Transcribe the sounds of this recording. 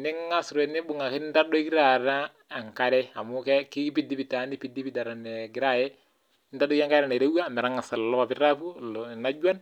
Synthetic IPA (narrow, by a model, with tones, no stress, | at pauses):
nɪ˦ŋːa˦sɾɛ˨ni˦bu˨ŋa˨ki˦nta˦dɔ˦ki˦ɾa˨ɾa˦ | a˨ŋka˦ɾɛ˦a˨mu˦kɛ˦ki˦pi˦di˦pi˨ta˨˦ni˦pi˦di˦pi˦da˨ɾa˨nɛ˨ɡɪ˨ɾa˦jɛ˦ | nta˦dɔ˦ja˦ŋka˦ɾa˨nɛ˨ɾa˦wa˦mɛ˨ɾa˦ŋa˨sa˨llɔ˦pa˨pi˦ɾa˦pu˦˨na˦d͡ʒu˦a˦n